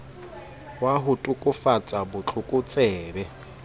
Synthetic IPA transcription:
waɦʊtʼʊkʼʊfat͡sʼabʊt͡ɬʰʼʊkʼʊt͡sʼɛːbɛ

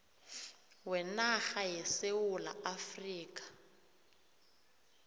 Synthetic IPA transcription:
wɛnaxajɛsewula̰afriːkʼḁ

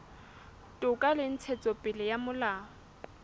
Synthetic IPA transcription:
tʼʊkʼalɪn̩t͡sʰɛt͡sʼɔpʼɪlɪjamʊlaː

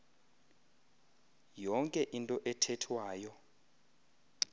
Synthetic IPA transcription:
jɔŋkʼɛʔintʼɔʔɛtʰɛtʰwaːjɔ

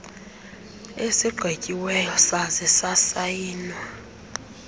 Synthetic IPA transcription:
esiɡ͡ǃʱwecʼiwɛjɔsazisasajiːnwa

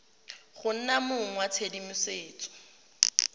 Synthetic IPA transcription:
χʊn̩namʊŋwat͡sʰedimʊseːt͡sʼɔ̥

